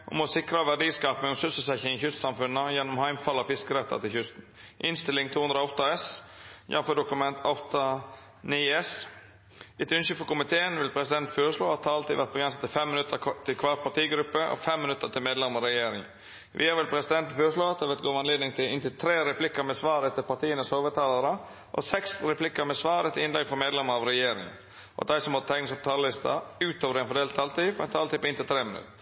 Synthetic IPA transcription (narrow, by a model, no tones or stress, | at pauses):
ʔʊmɔsɪkɾəʋæɖiːskɑːpnɛŋɔmsʉsəsɛçɪŋɪçʏst̪sɑmfʉnːəjɛnːɔmhæɪmfɑlːɑfɪskəɾɛt̪ːə̰ɾt̪ʰɪlçʏst̪n̩ | ʔɪnst̪ɪlɪŋt̪ʰuːhʉnd̪ɾɔɔt̪ːɑɛsjɑ̰fəɖʊkʉmɛnt̪ʰɔt̪ɑ | niɛs | ɪt̪ʉnsəfɔkʊmɪt̪ʰeːənʋɪlpʰɾɛsɪd̪ɛnt̪føːɾəʂɭoːɑt̪ʰːɑɾɑlt̪iːʋæɾt̪̚bəɡɾɛnsət̪ːɪlfɛmːɪnʉt̪ːəɾt̪ʰɪlkʰʋɑːɾpʰɑt̪iːɡɾʉpːəʔɔ̰fɛmːɪnʉt̪ːət̪ʰɪlmeːd̪lɛməɾɛjeːɾɪŋ | ʋʔḭːæʋɪlpʰɾɛsɪd̪ɛnt̪føːɾəʂloːɛt̪ʰəʋɛt̪ɡoːʋɑnleːd̪nɪŋt̪ʰɪlɪnt̪ɪlt̪ʰɾeːɾɛpʰlɪkːəɾmɛsʋɑːɾɛt̪ʰːɪpɑʈ̪ʰiːənəshoːʋət̪ʰɑːlɑɾə | ʔɔ̰sɛksɾɛpʰlɪkːəɾmɛsʋɑːɾət̪ʰɪɪnlɛɡfɔɾmeːd̪lɛməɾɑʋɾɛjeːɾɪ̰ŋ | ʔɔ̰d̪æɪsɔmhɔt̪ət̪ʰæɪnɪsɔp̚t̪ʰɑləlɪst̪ɑ̰ʉːt̪oːʋəɾɛɪnfɔɖ̪eːlt̪ʰːɑːlt̪iːfɔɾɛnt̪ʰɑːlt̪iːpɪnt̪ɪlt̪ʰɾeːmɪnʉ̰t̪ːə